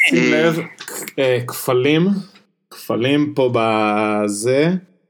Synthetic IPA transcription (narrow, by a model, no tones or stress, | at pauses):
ilevekfalim | kfalimpobaze